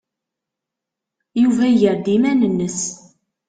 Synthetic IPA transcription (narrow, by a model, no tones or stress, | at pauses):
juvæjəɾd̪imænənːəs